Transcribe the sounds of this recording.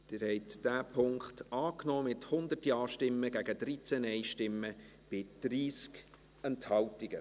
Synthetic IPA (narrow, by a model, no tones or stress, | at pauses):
d̥ɪːɾhɛɪtd̥æːpʰʊŋkχtɑːknɔːmɪthʊnd̪ətiɑːʃtɪmːəɡ̥æɡəd̥ɾit͡sænɛɪʃtɪmːə | b̥ɪd̪̥ɾiːsk | ɛnthɑltɪɡ̥ə